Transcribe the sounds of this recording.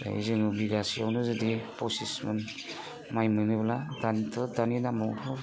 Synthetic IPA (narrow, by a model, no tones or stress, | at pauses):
a̰ḭzɯŋɯbiɡasijawnɯzɯdiposismɯn | majmɯnɯbladantʰɔdaninamɔɔ